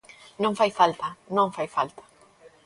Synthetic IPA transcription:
nõŋfajfalt̪anõŋfajfalt̪ḁ

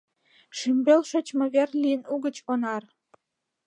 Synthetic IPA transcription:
ʃymbelʃot͡ɕmɤ̆βerlʲiənuɣə̆t͡ɕonɑr

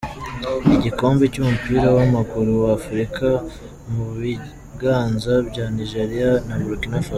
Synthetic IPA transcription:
iɟiko̞ːmbicumupiːɾawamakuɾuwaːfuɾika | muβi | ɡaːnzabɟaːniʒeɾijanaβuɾukinafa

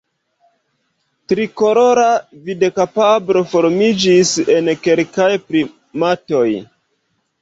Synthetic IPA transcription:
tɾiko̞ɾo̞ɾavidekapabɾo̞fo̞ɾmid͡ʒise̞nke̞lkajpɾi | mato̞j

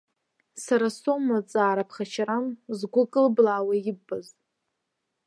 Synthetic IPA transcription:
saɾasomat͡sʼaːɾapʰχat͡ʃʰaɾamzɡʷʊkʼɨlblaːwajɪbːaz

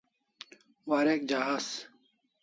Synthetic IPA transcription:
waːɾek̚d͡ʑaɦas

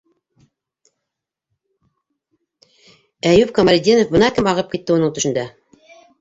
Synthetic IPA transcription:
æjʉpkɐmɐɾʲd̪ʲinofbɤ̆nɑkɘmɑʁɤp̚kit̪ːɘunɤɴt̪ɵ̆ʃɘ̆nd̪æ

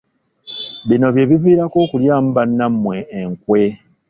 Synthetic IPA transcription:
βino̞βje̞ːβiviːɾako̞ːkuljaːmbanːamːwe̞ːŋkwe̞

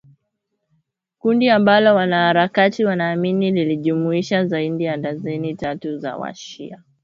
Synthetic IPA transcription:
kundiambalɔwanahaɾakatiwanaːminililiʄumuiʃazaiɗijandazɛnitatuza̰wa̰ʃḭa

